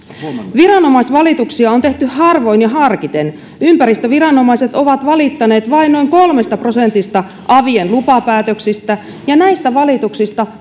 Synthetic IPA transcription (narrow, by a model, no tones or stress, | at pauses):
ʋirɑnomɑisʋɑlit̪uksiɑont̪eht̪yhhɑrʋo̞injɑɦɑrkit̪en | ympærist̪øʋirɑnomɑiset̪oʋɑt̪ʋɑlit̪ːɑneːt̪ʋɑinnoiŋkolmest̪ɑprosent̪ist̪ɑ | ʔɑʋienlupɑpæːt̪øksist̪æ | jɑnæist̪æʋɑlit̪uksist̪ɑ